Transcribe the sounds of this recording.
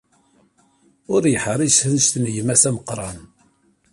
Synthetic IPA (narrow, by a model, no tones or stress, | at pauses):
ʊɾjəħɾˤisθənst̪njəmæsæməqɾˤɑn